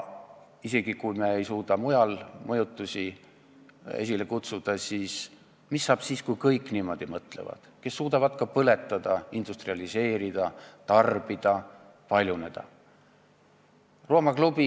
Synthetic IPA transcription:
ise̞ɡ̥ikujmeejsuːd̪̥ɑmujɑlmɤjut̪ːˑusʲi | ḛs̬ʲile̞kut̪sud̪̥ɑsiːs | misːɑːb̥siːskujkɤjkːˑniːmo̞d̪̥imɤt̪ˑle̞̰vɑ̰d̪̥ke̞sːuːd̪ɑvɑd̪kɑpɤle̞t̪ːˑɑd̪̥ɑind̪̥ust̪riɑlise̞ːɾid̪̥ɑt̪ɑrb̥id̪̥ɑ | pɑlʲjune̞d̪̥ɑ̰ | ro̞ːmɑklub̥i

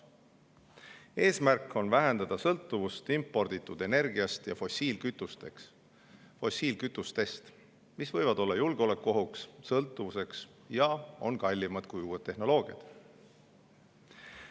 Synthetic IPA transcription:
e̞ːsmærkːˑo̞nvæɦe̞nd̪̥ɑd̪̥ɑsɤlt̪ːˑuvust̪impːˑo̞rd̪̥it̪ːˑud̪̥e̞ne̞rɡ̥iɑst̪jɑfo̞siːlkyt̪ːˑust̪eks | fo̞sʲiːlkyt̪ːˑust̪e̞st̪ | misvɤ̞jvɑd̪o̞lːɑjulɡ̥eole̞kːˑuo̞ɦukssɤlt̪ːˑuvuse̞ks | jɑo̞̰nkɑlʲːimɑd̪̥̚kujuːed̪ːe̞hno̞lo̞ːɡ̥iɑ̰d̪̥

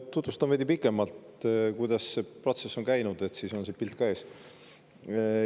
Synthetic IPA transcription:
t̪ut̪vust̪ɑmved̪̥ʲipikːˑe̞mɑlt̪kujd̪̥ɑsːe̞pro̞t̪se̞sːo̞nkæjnud̪̥e̞t̪siso̞nsepilt̪̚kɑe̞ːs

